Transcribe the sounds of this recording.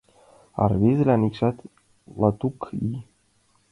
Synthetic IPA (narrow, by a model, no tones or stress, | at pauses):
ɑ̰rβezɘ̆lʲænikʃɑt̪ | lɑt̪uki